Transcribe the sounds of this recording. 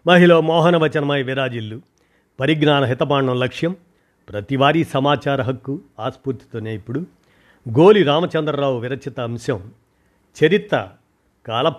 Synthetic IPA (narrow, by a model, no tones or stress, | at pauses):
mɐɦiloːmɔːɦɐnɐʋɐt͡ʃɐnɐmɐjʋiɾaːd͡ʒilːu | pɐɾiɡnaːnɐɦit̪ɐpaːɳːɐmlɐkʂjɐm | pɾɐt̪iʋaːɾiːsɐmaːt͡ʃaːɾɐɦɐkːuaːspuɾt̪i̥t̪oːneːipːuɽu | ɡoːliɾaːmɐt͡ʃɐnd̪ɾɐɾaːwuʋiɾɐt͡ʃʰɐt̪ɐɐmʃɐm | t͡ʃɐɾit̪ːɐ | kaːlɐ